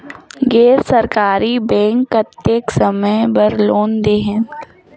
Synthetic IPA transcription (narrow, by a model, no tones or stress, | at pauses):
ɡeːɾsɐɾkaːɾibɛ̃ːŋkːɐt̪ːeksɐməjbɐɾloːnd̪eːɦɛ̃nt̪